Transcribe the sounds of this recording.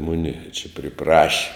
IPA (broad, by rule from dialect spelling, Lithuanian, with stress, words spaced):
ˈmʊnʲɪ t͡ʃʲɛ pʲrʲɪˈprɑːʃʲɪ